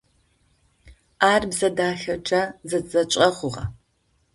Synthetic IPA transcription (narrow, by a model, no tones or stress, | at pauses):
aːrbzɐdaːɬɐʈ͡ʂʼɐzɐt͡sʼɐt͡ʃʷʼɐχʷʊʁɐ̰